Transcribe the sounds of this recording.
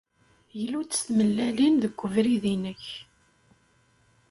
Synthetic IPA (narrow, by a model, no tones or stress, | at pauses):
jəlːut͡sːəsθməlːælinðəɡʷːəvɾiðinəç